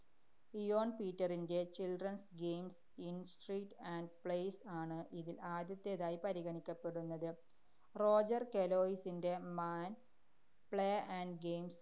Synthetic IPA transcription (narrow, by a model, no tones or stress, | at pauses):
ijoːɳpiːtːɐrinde̞t͡ɕilɖrɐnsɡejms | insʈriːʈːaɳɖpɭejsaːɳɨʔiðilaːd̪jɐt̪ːeðaːjipɐɾiɣɐɳikʲːɐpːe̞ɽunːɐðɨ | ro̞ːd͡ʑɐrkelo̞ːisinde̞maːn | pɭejɐʔɐɳɖɡejms